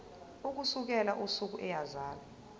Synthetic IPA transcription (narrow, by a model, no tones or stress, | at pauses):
uk̬usuk̬ɛlaʔusuk̬uʔɛjazaːla